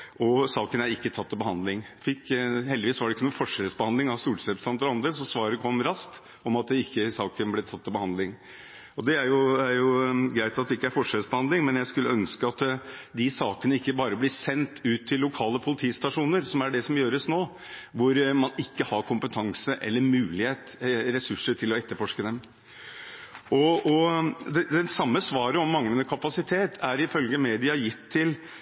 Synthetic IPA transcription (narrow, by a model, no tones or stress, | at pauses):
ʔɔsɑːkənæɾɪkːət̪ʰɑt̪ːɪbəhɑnd̪lɪŋfɪkːhɛld̪ɪʋiːsʋɑɖɛɪkːənuːnfɔʂɛɾəsbəhɑnd̪lɪŋɑʋst̪uːʈsɛpsɑnd̪əɾɔɑnd̪ɾəsɔsʋɑːɾəkʰʋɔmɾɑst̪ | ɔmɑt̪̚d̪ɛɪkːəsɑːkənblɛt̪ʰɑt̪ːɪlbəhɑnd̪lɪŋ | ɔd̪ɛæɾjʊæɾjʊɡɾæɪt̪ɑt̪̚d̪ɛɪkːəæɾfɔʂɛɾəsbəhɑnd̪lɪŋmɛnjæɪskʉlːəœnskəɑt̪d̪ɪsɑːkənəɪkːəbɑːɾəblɪsɛnt̪ʉːt̪ʰːɪlːʊkʰɑːləpʰʊlɪt̪ʰiːst̪ɑʂuːnəɾsɔmæɖɛsɔmjøːɾəsnoː | ʋʊɾmɑnɪkːəhɑɾkʰʊmpət̪ʰɑŋsəʔɛ̰lːəɾmʉːlɪheːt̪ɾɛsʉʂːəʈʰɪlɔɛt̪ːəɾfɔʂkəd̪ɛm | ʔɔɔd̪ɛd̪ɛnsɑmːəsʋɑːɾəɔmːɑŋənəkʰɑpɑsɪt̪ʰeːt̪ʰæɾɪfœlɡəmeːd̪ɪɑjɪt̪ʰːɪl